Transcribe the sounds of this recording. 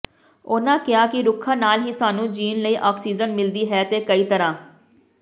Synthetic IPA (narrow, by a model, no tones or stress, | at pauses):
oːnãːkɪaːkɪɾʊkʰːãːnaːlɦiːsaːnũːd͡ʒiːnləiːʔaɔːksiːd͡ʒənmɪld̪iːɦɛːt̪eːkəiːt̪əɾãː